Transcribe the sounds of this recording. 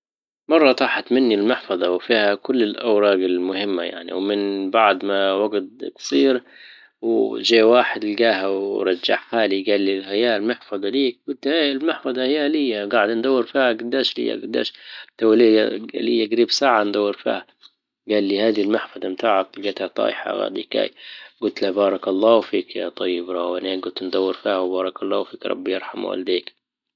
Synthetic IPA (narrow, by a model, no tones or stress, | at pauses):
mɑrˤːɑt̪ˤɑːħat̪manːilmɪħfɑðˤɑwfiːhakʊlːɪlʔawɾˤɑːɡɪlmʊhɪmːa̰ja̰ʕnḭwmɪnbaʕd̪mawaɡt̪̚ksˤiːɾ | wʒeːwaːħɪd̪ɪlɡaːɦawɾˤɑd͡ʒːa̰ʕħaːliɡaːlːilhajaːlmɪħfɑðˤɑliːk̚ɡʊt̪almɪħfɑðˤɑhɪjalɪjːaɡaʕɪd̪and̪ˤawːɪɾfiːhaɡad̪ːaːʃlɪ̰jːa̰ɡad̪ːa̰ːʃt̪awlilɪjːaɡaɾiːbsaːʕand̪awːɪɾfḭːha | ɡaːlːihaːd̪ilmaħfɑd̪ˤɑmt̪aːʕaklɡeːt̪hat̪ˤɑ̰ːʔħa̰ɣa̰ːd̪ḭka̰ːjɡʊlt̪labɑːɾˤɑkɑlˤːɑːwfiːkjɑ̰t̪ˤɑjːɪbɾˤɑwaneːɡʊlt̪nd̪awːɪɾfiːhawbɑːɾˤɑkɑlˤːɑ̰ːwfiːkɾˤɑ̰bːjɪ̰ɾˤħamwa̰ld̪iːk